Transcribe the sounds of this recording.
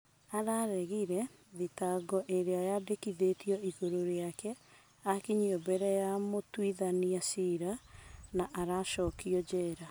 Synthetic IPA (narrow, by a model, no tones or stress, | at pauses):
aɾaɾɛɣiɾɛðitaɡɔʔeɾeajadekiðetiɔiɣoɾoɾeakɛ | akiɲiɔbɛɾɛjamotwiðaniasiɾanaʔaɾaʃɔːkiɔd͡ʒɛɾa